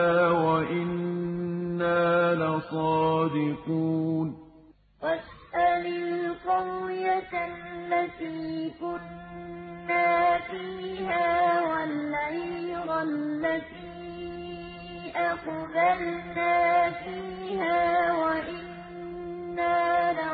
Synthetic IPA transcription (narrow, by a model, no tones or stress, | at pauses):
waʔɪnː | aːlasˤɑːd̪ɪquːn | ʔasʔalilqʊwjat̪alːat̪iːkʊnː | aːfiːɦaːwaʕiɾalːat̪iː | ʔaqbalnaːfiːhaːwaʔɪnː | aːla